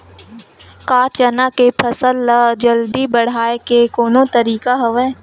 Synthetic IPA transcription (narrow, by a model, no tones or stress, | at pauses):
kaːt͡ʃənakepʰəsəlːəd͡ʒəld̪ibəɽ̤aːekekoːnõt̪əɾiːkaɦəʋɛː